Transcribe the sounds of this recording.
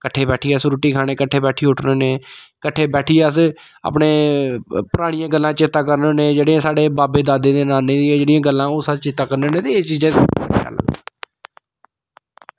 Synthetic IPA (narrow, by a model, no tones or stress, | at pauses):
kəʈʰːeːbɛːʈʰiːəsɾuːʈiːkʰaːɽ̃eːkəʈʰːeːbɛːʈʰiːʊʈʰnoːneːkəʈʰːeːbɛːʈʰiːəs | a̰ːpneːpʊɾaːɽɪ̃jãːɡəlːãːt͡ʃɪt̪ːaːkəɾnõːnẽːd͡ʒeːɽiãːsaːɽeːbaːbeːd̪aːd̪ẽːd̪eːnaːnẽːd̪iɛːd͡ʒeːɽɪjãːɡəlːãːoːsaːt͡ʃɪt̪ːaːkəɾneːnẽːt̪eːet͡ʃiːd͡ʒãsja̰ːlə̰ɡ̪